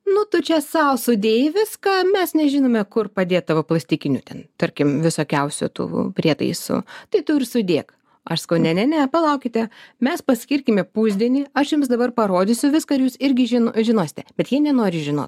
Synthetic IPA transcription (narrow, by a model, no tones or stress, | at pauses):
nʊt̪ʊt͡ʃʲɛsɐʊsʊd̪ʲeːjɪʋʲɪskɐmʲɛsnʲɛʒʲɪnoːmʲɛkʊrpɐd̪ʲeːt̪t̪ːɐʋoplˠɐsʲt̪ʲikʲɪnʲṵːt̪ʲɛnt̪ɐɾʲkʲɪmʋʲɪsoːkʲɛʊsʲʊ̰t̪ṵːpʲrʲiɛt̪ɐ̰ɪsʊ̰t̪ɐɪt̪ʊɪrsʊd̪ʲeːk | ɐʃsɐ̥kɐʊnʲɛnʲɛnʲɛpɐlˠɐʊkʲɪt̪ʲɛmʲɛspɐsʲkʲɪɾʲkʲɪmʲɪpuːzʲd̪ʲiɛnʲɪɐʃjʊms̬d̪ɐbɐrpɐɾoːd̪ʲɪsʲʊʋʲɪskɐɪɾjuːsɪɾʲɡʲɪʒʲɪnʒʲɪnoːsʲɪ̥t̪ʲɛb̥ʲɛt̪jiɛnʲɛnoːɾʲɪʒʲɪno̰ːt̪